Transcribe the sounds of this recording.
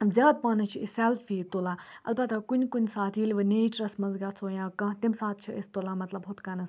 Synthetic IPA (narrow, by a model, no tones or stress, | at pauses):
zʲaːd̪̚paːnɐt͡ʃʰiisɛlfiːt̪olaːɐ̰lbɐt̪akunʲkunʲsaːt̪ʰiːlʲʋɨneːt͡ʃɾɐsmɐnzɡat͡sʰoːjãːkɐ̃t̪imsaːt̪̚ʰt͡ʃʰiʔest̪olamɐt̪lɐbɦut̪kɐnɐs